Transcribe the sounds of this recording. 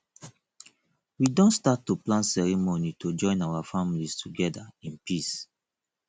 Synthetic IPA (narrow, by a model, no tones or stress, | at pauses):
widõntstatːuplãnsɛɹimonitʰod͡ʒɔ̃ɪ̃nawafamlistʰuɡɛdaĩnpis